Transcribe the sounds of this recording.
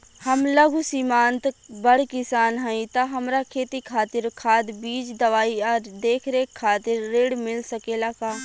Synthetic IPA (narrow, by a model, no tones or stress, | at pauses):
hɐmlɐɡʱusimãːnt̪bɐɽkɪsaːnɦɛ̃ĩt̪ɐɦɐmɾakʰeːt̪ikʰaːt̪ɪɾkʰaːd̪biːd͡ʒd̪ɐʋaːiɔːɾd̪eːkʰɾeːkʰaːt̪ɪɾːeːɽmɪlsɐkelakaː